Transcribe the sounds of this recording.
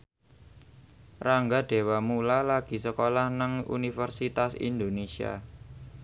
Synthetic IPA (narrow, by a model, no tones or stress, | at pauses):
raŋɡaɖ̥e̤wamulalaɡ̥i̤səkolahnaŋṵnifərsit̪asḭnd̪onesia̰